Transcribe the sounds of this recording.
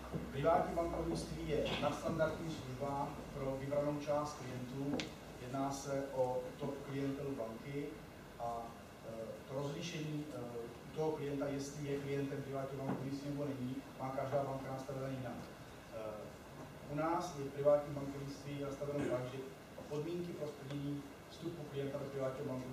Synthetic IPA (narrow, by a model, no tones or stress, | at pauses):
pɾɪvaːt̪ɲibaŋkovɲɪst̪viːjɛnast̪andaɾd̪ɲiːsluʒbaːpɾo̞vɪbɾano̞wt͡ʃaːst̪̚klɪjɛnt̪uː | jɛdnaːsɛʔout̪oʔklɪjɛnt̪ɛlubaŋkɪ | ʔa | t̪ɾozliʃɛɲiː | ut̪oɦoklɪjɛnt̪ajɛst̪lɪjɛklɪjɛnt̪ɛmpɾɪvaːt̪ɲiobaŋkuɲɪt͡sinɛbo̞nɛɲiːmaːkaʒdaːbaŋkanast̪avɛvɛnjɪnak | ʔunaːsjɛpɾɪvaːt̪ɲiːmbaŋkovɲɪst̪viːnast̪avɛnowbaʒɪ | ʔopo̞dmiːŋkɪpɾosp̪ɛɲɛɲiː | fst̪upuklɪjɛnt̪abɛpɾɪvaːtɲiɦobaŋku